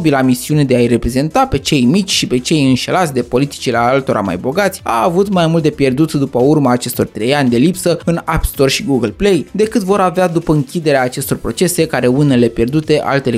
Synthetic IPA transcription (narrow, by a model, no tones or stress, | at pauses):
bilamisiune̞d̪eaire̞pɾe̞ze̞nt̪ape̞t͡ʃe̞jmit͡ʃʲʃipe̞t͡ʃe̞jɨnʃe̞lat̪sʲd̪e̞po̞lit̪i̥t͡ʃileaalt̪o̞ɾʔa̰ma̰jbo̞ɡat̪sʲa̰ːvut̪majmult̪̚d̪epje̞rd̪ut̪d̪upəurmaːt͡ʃe̞st̪o̞rt̪ɾe̞janʲd̪e̞lipsəɨnapst̪o̞rʃiɡuɡəlple̞jd̪e̞kɨt̪vo̞ɾavead̪upəɨŋkʲid̪e̞ɾeaːt͡ʃe̞st̪o̞rpɾo̞t͡ʃe̞se̞kaɾe̞une̞le̞pje̞rd̪ut̪e̞ʔa̰lt̪e̞l